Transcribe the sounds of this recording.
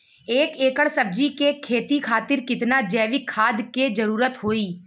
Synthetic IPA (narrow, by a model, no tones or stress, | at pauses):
eːkeːkəɽsəb̚d͡ʒikekʰeːt̪ikʰaːt̪ɪɾkɪt̪nad͡ʒɛːʋɪkʰːaːd̪ked͡ʒəɾuːɾət̪ɦoːiː